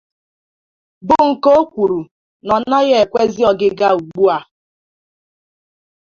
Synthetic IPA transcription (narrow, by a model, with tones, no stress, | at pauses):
bʊ˨ŋ̩˨ko˦o˦kʷu˨ɾu˨ | nɔ˨˦na˦ɣe˦e˨kʷe˦zi˦ɔ˨ɡɪ˦ɡa˦u˨ɡ͡bu˦a˨